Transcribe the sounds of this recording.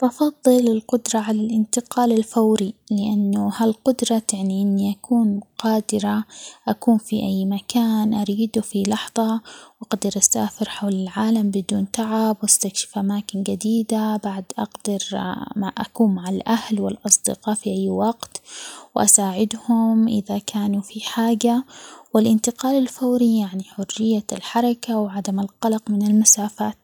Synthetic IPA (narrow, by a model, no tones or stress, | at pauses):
bɑfɑðˤːɨlɪlqʊd̪ɾˤɑʕalalʔɪnt̪ɪqɑːlɪlfawɾilɪʔanːʊhalqʊd̪ɾˤɑaʕniʔɪnːiʔakuːnqɑːd̪ɪɾaʔakuːnfiʔajːmakʰaːnʔaɾiːd̪ufilɑħðˤɑʔɑɡd̪ɑɾʔasaːfɪɾħawlɪlʕaːlambɪd̪uːnt̪aʕabwast̪akʃɪ̥fʔamaːkɪnɡad̪iːd̪abaʕd̪ʔɑ̰ɡd̪̥ɑɾʔa̰kuːnmaʕalʔahlwɪlʔɑsˤd̪ɪ̰qɑːfiʔajːwɑɡt̪wʔa̰saːʕɪd̪hʊmʔɪ̰ðakʰaːnufiħaːɡawɪlʔɪnt̪ɪqɑːlalfawɾijaʕniħʊrːɪjːalħɑɾˤɑkawʕad̪amalqɑlɑqmɪnɪlmasaːfaːt̪